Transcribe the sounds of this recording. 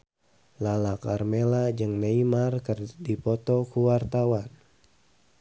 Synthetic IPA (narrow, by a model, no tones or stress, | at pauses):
lalakarmelad͡ʒɨŋneimarkɨrdipɔt̪ɔkuwart̪awan